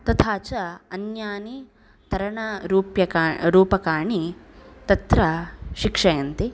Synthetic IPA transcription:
t̪ɐt̪ʰaːt͡ʃɐɐnjaːni | t̪ɐɾɐɳɐɾuːpjɐkaɾuːpɐkaːɳit̪ɐt̪ɾɐʃikʂɐjɐnt̪i

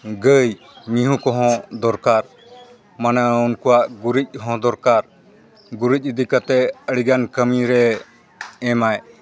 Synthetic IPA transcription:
ɡəj | miɦũkɔɦɔ̃d̪ɔɾkaɾ | manaunkuwaʔɡuɾic̚ɦɔ̃d̪ɔɾkaɾ | ɡuɾic̚ˀəd̪ikat̪ɛəɽiɡankəmiɾɛː | maj

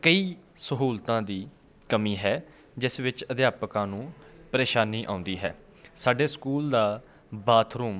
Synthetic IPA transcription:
kəiːsəɦuːlt̪ãːd̪iː | kəmiːɦɛː | d͡ʒɪsʋɪt͡ʃəd̪ɪjaːpəkãːnũːpəɾeːʃaːniːʔã̰ːʊ̃nd̪iːɦɛ̰ː | saːɖeːskuːld̪aː | baːt̪ʰɾuːm

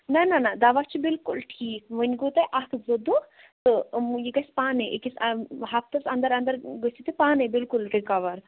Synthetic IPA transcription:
nananad̪aʋat͡ʃʰibilkulʈʰiːk̚ʋənʲɡot̪ɐʔak̪ʰɨzɐd̪u | t̪ɨjiɡɐsʲpaːneʔḭkisɐɦɐpt̪ɐsɐnd̪ɐɾɐnd̪ɐɾɡəsit̪ipaːnebilkulɾikɐʋɐɾ

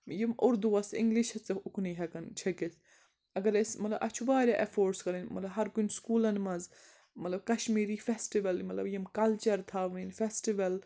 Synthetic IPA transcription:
jimʔuɾd̪uɐsḭŋɡliʃhɐt͡sɐukniɦɐkɐnt͡ʃʰɐkis | ɐɡɐɾesmɐt̪lɐbʔɐ̰t͡ʃʰubaːɾʲaʔefoːɾʈskɐɾɐnʲmɐt̪lɐɦɐɾkunskuːlɐnmɐz | mɐt̪lɐb̚kɐʃmiːɾiːfesʈiʋɐlmɐt̪lɐ̰bjimkɐlt͡ʃɐɾt̪ʰaːʋninfesʈiʋɐl

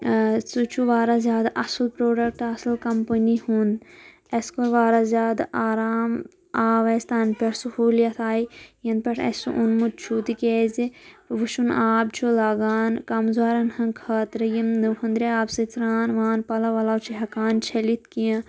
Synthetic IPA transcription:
sut͡ʃʰuʋaːɾazjaːd̪ʔɐsɐlpɾoːɖɐk̚ʈɐsɐlkɐmpɐnihuːnd̪ | eskoɾʋaːɾazʲaːd̪aːɾaːm | aːʋɐst̪aːnpʲɐɾsuhuːljɐt̪ʰaːijɐnpʲɐʈʰɐ̰sṵʔunmut̪̚t͡ʃʰuːt̪ikeːziʋuʃunaːb̚t͡ʃʰulaːɡaːnkɐmzaːɾɐnhɐ̃nkʰɐːt̪ɾɐjimnɨʋhɐnd̪ɾiaːbsɐt͡sɾaːnʋaːnpɐlɐʋɐlaːwt͡ʃʰiɦɐkaːnt͡ʃʰɐlit̪kijɐ̃

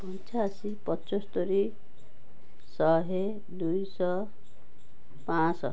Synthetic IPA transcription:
pʌnt͡sasipʌt͡sɔst̪oɾi | sʌɦe | d̪ujsʌ | pãt͡sʌ̰

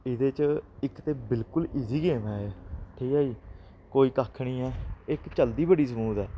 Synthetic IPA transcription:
ɪd̪eːt͡ʃɪkt̪eːbɪlkʊliːziːɡeːmɛːeʈʰiːkaːiː | koːiːkaːkʰɽ̃iːɛːɪkt͡ʃəld̪iːbəɽiːsəmuːd̪ɛː

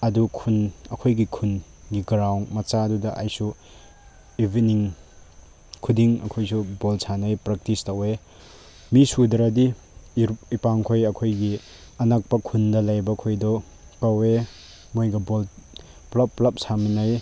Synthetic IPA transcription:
ɐdukʰunɐkʰojɡikʰunɡiɡɾawŋmɐt͡ʃadudɐʔajsu | ibiniŋ | kʰudiŋɐ̰kʰojsubolsʰanɐjpɾɐk̚tistawe | misudɐɾadi | ipaŋkʰojɐkʰojɡi | ɐnak̚pɐkʰundɐlɐjbɐkʰojdɔ | kawe | mojɡɐbol | plapːlɐp̚saminɐj

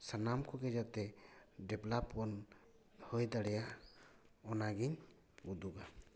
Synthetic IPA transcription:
sanamkʰɔɡɛd͡ʒat̪ɛɖɛblapːɔn | hojd̪aɽɛjaʔ | ɔnaɡiɲ | ud̪uɡa

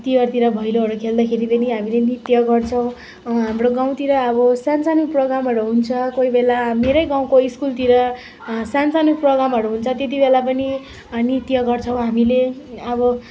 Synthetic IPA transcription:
t̪iwʌrt̪iɾʌbʱʌjloɦʌɾukʰeld̪akʰeɾipʌniɦamilenit̪jʌɡʌrt͡sʰʌw̃ | ɦamroɡaw̃t̪iɾʌːbʌsansanuproɡramɦʌɾuɦunt͡sʰʌkoibelameɾʌjɡãw̃koiskult̪iɾʌ | sansanuproɡɾamʌɾuɦunt͡sʰʌt̪jet̪̬ibelapʌni | nit̪jʌɡʌrt͡sʰʌw̃ɦamileʌbʌ

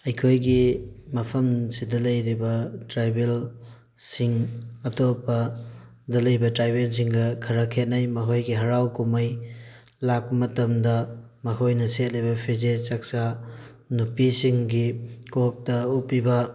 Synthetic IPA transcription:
ɐjkʰojɡimɐpʰɐmsidɐlɐjɾibɐtɾajbel | siŋɐtopɐ | dɐlɐjbɐtɾajbels̬iŋɡɐkʰɐɾɐkʰet̚najmɐkʰojɡiɦɐɾawkumɐj | lak̚pɐmɐtɐmdɐmɐkʰojnɐset̚lijbɐpʰezet͡ʃak̚sa | nupisiŋɡikok̚tɐupːibɐ

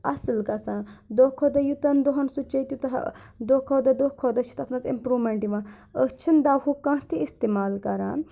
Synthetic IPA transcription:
ɐsɨlkɐsãːd̪oːkʰod̪ɐjut̪ɐnd̪oɦɐnsut͡ʃɐt̪jut̪ɐɦd̪okʰoːd̪ɐd̪okʰod̪ɐt͡ʃʰu̥t̪ɐt̪ʰmɐzḭmpɾuːmeɳʈiʋã | ət͡ʃʰund̪aːhukãɦt̪iist̪emaːlkɐɾa̰ːn

